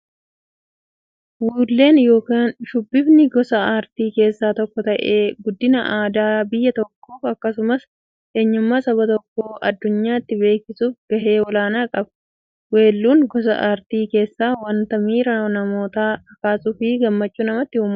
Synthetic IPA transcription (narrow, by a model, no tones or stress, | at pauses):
wuːlːe̞ːnjo̞ːkaːnʃʊbːɪbnɪɡɔsɐaːɾt̪iːke̞ːsːaːt̪ɔkːɔt̪ɐʔe̞ːɡʊd̪ːɪnɐʔaːd̪aːbɪjːɐt̪ɔkːoːfɐkːɐsʊmɐs | ʔe̞ːɲːʊmːaːsɐbɐt̪ɔkːoːʔɐ̰d̪ːʊɲːaːɪt̪ːɪbe̞ːkɪsuːfɡɐɦeːɔlaːnaːkʼɐb | we̞ːlːuːŋɡɔs̬ɐ̰ʔaːɾt̪iːke̞ːsːaːwɐnt̪ɐmiːɾɐnɐmo̞ːt̪aːɐkaːsʊfiːɡɐmːɐt͡ʃːuːnɐmɐt̪ːɪhʊːmː